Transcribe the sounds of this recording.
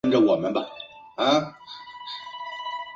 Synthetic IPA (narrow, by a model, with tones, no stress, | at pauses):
nʈ͡ʂə˧˩wɔ˨˩mə˦nbɐ˧ | a˧˥